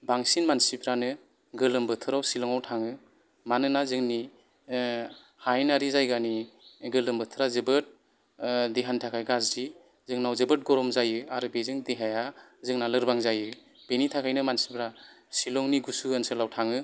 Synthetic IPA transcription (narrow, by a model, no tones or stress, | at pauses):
baŋsinmansibɾanɯ | ɡɯlɯmbɯtʰɯɾawsilɔŋawtʰaŋɯ | manɯnazɯŋni | hajnaɾizajɡaniɡɯlɯmbɯtʰɯɾazɯbɯt̚ | diɦantʰakʰajɡazdi | zɯŋnawzɯbɯt̚ɡɔɾɔmzajɯaɾɯbezɯŋdiɦaja | zɯŋnalɯɾbaŋzajɯ | b̥enitʰakʰajnɯmansibɾa | silɔŋniɡusuɡansɯlawtʰaŋɯ